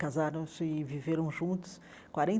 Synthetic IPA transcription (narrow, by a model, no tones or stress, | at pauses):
azaɾɐ̃w̃sɪviveɾɐ̃w̃ʒũnt̪ʊ̥s | kwaɾẽ